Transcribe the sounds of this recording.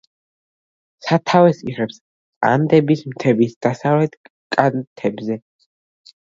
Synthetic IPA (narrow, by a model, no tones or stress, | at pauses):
sat̪ʰavɛsiʁɛps | kʼa̰nd̪ɛbismt̪ʰɛbisd̪̥asavlɛt̪ | kʼant̪ʰɛbzɛ